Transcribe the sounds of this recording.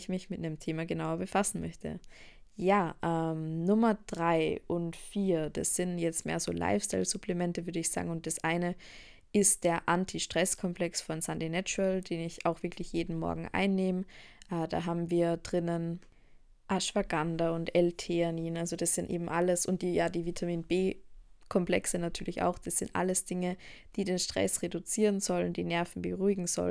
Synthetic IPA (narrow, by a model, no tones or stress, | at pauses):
çmɪçmɪt̚nemtʰeːmaɡənaʊɐbəfasn̩mœçtʰə̰jaːʔɛːmnʊmɐd̥ʁaɪʔʊntfiːɐd̥asz̥ɪnjɛt͡stmḛːɐzo̰ːlʔa̰ɪfstaɪlz̥upl̥ɛmɛntəvʏɐɾəɪçz̥a̰ːɡŋ̩ʊnt̚d̥asʔaɪnə | ʔɪst̚d̥eːɐʔantʰiʃtʁ̥ɛskʰɔmplɛksfɔnsandinɛt͡ʃʊəld̥eːnɪçaʊxv̥ɪɐklɪçjeːdn̩mɔ̰ɐɡŋ̩ʔa̰ɪnːeːməʔda̰ːɦaːbm̩viːɐd̥ʁɪnən | ʔaʃv̥aɡandaʊntʔɛltʰeaniːnʔalzod̥asz̥ɪntʔḛːbm̩ʔaləsʊnt̚d̥iːjaːdiːvitʰamiːnbeːkʰɔmpl̥ɛ̰ksənatʰyːɐlɪça̰ʊxd̥asz̥ɪntʔa̰ləsd̥ɪŋəd̥iːdeːnʃtʁ̥ɛ̰sʁedut͡siːʁənzɔlənd̥iːnɛɐfn̩bəʁuɪɡŋ̩z̥ɔ̰l